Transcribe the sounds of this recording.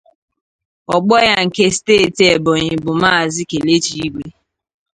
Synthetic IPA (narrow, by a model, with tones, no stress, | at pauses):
ɔ˨ɡ͡bɔ˦ja˦ŋ̩˨ke˦steː˦˨ti˨e˨bʊ˨ɲɪ˨bʊ˨ma˦˨zɪ˦ke˨le˦t͡ʃi˦˨˦i˦ɡʷe˦